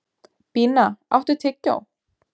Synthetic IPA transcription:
piːnaa̰wht̪ʏt̪ʰɪcːa̰w

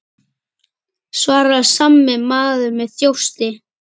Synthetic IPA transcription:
svaːɾasamːɪmaːðʏmɛðθjow̥st̪ɪ

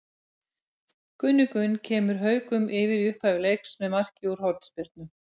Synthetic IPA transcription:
kʏnːʏkʏncʰɛːmʏɾ̥ɦœːɥkʏmʔɪvɪɾiʏhphaːvɪlejksmɛðmar̥cɪuɾ̥hɔɾt̪spɪɾt̪̚nʏ

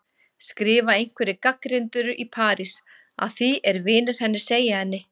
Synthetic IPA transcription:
skɾɪːvaejŋ̥kvɛɾɪkakɾɪnt̪ʏɾʏʔipʰaːɾis | a̰ðθiɛɾvɪːnʏɾ̥hɛnːɪ̥seːjahɛnːɪ

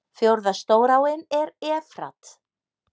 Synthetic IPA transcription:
fjowɾðast̪oːwɾawɪnɛɾɛːfɾa̰t̪

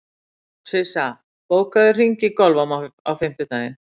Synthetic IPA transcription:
sɪsa | poːwkaðɪr̥iɲcɪkɔlvamaawfɪm̥t̪ɪt̪aːjɪn

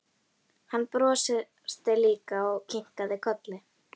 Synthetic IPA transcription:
hanːpɾɔːsɪ | st̪ɪliːkaɔɣcʰɪŋ̥kaðɪkʰɔt̪lɪ

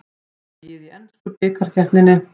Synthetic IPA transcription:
jɛðiɛnskʏpɪːkaɾ̥çɛrt̪nɪnːɪ

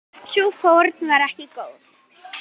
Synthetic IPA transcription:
sufowɾt̪nvaɾɛhcɪkoːwθ

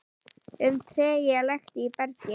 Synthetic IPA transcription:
ʏmt̪ʰɾeːjɛlaxt̪ipɛɾcɪ

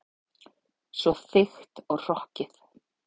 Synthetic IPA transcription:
svɔθɪxt̪ɔɣr̥ɔhcɪθ

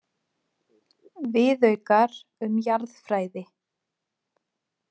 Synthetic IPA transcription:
vɪðœɥkaɾʏmjaɾðfɾaːjðɪ

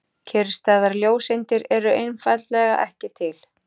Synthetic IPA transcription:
cʰɛɾst̪aːðaɾljoːwsejnt̪ɪɾɛɾʏʔejnfajt̪lɛɣa̰ʔɛhcɪt̪ʰɪl

